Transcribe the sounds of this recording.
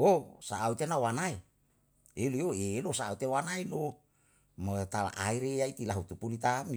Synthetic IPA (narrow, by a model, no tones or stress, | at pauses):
osaːut̪enawanai | elioelosaaut̪ewanaino | mot̪ala̰ʔaiɾeait̪ilaɦut̪upulit̪ami